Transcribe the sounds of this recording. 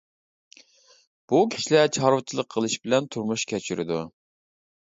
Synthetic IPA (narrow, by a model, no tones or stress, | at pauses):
b̥ukʲʰi̥ʃlɛt͡ʃʰɑɾwɨt͡ʃʰilˠəqʰːəlˠɨʃbɪlɛnt̪ʰuɾmuʃkʲʰɛt͡ʃʰyɾɪ̰d̪u